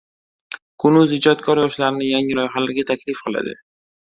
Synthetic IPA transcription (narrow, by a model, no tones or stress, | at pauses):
kʊnuzɪd͡ʒɒt̪kʰɒɾjɒʃlaɾɪnɪjaŋɪlojɦalɪɡʲat̪ʰakʲlɪfqʰɨlˠa̰d̪ɪ̰